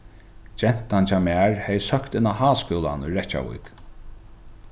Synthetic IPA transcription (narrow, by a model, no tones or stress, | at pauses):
d͡ʒɛn̥t̪ant͡ʃʰaːmæːɹhɛjsœkt̪ɪnaɦaːskʏːlˠa̰nʊɾɛt͡ʃa̰vṵjk